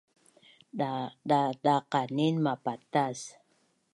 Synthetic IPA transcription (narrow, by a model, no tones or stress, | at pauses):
ɗɗaqaninmapat̪as